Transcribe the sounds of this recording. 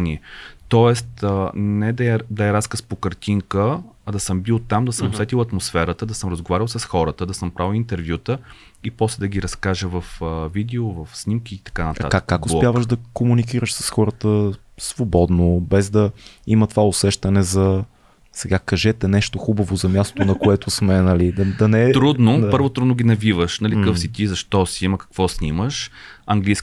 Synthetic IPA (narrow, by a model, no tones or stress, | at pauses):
niɛt̪ɔɛst̪ənɛd̪ɐɛd̪ɐɛɾaskəspokɐɾt̪iŋkəː | d̪ɐsɤmbilˠt̪amd̪ɐsəmosɛt̪ilˠɐt̪mosfɛɾət̪əd̪ɐsɤmɾəzɡovaɾʲilˠsəsxɔɾət̪əd̪ɐsəmpɾawˠint̪ɛɾvjut̪ə | ipɔslɛd̪ɐɡʲiɾɐskaʒəvɐfəvid̪ɛovɐfsnimkiːt̪ɐ̥kanɐt̪akakːakʊspʲjavəʃd̪ɐkomunik̬iɾəʃsə̥sxɔɾət̪ə | svobɔd̪nobɛzd̪ɐimət̪ovaʊsɛʃt̪ɐnɛzɐ | sɛɡakɐʒɛt̪ɛnɛʃt̪oxubəvozɐmʲjast̪ot̪onɐkoɛt̪ʊsmɛnɐlid̪ɐd̪ɐnɛt̪ɾud̪noapɤɾvot̪ɾud̪noɡʲinɐvivəʃnɐlʲikəfssit̪izɐʃt̪ɔsiiməkɐ̥kvɔsnʲiməʃɐŋɡlijs